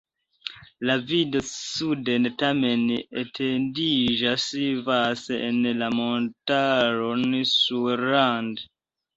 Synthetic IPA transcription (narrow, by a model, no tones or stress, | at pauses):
lavidosudentamenetʰendid͡ʒasvaseenlamontaɾonsuɾand